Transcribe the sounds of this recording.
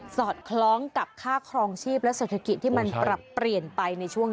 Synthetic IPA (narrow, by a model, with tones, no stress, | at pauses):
sɔː˨˩t̪̚kʰlɔː˦˥ŋka˨˩p̚kʰaː˥˩kʰɾɔː˧ŋt͡ɕʰiː˥˩p̚lɛ˦˥ʔseː˨˩t̪ʰa˧ki˨˩t̪ʰːiː˥˩ma˧npɾa˨˩pːɾi˨˩ənpa˧jna˧jt͡ɕʰu˥˩əŋ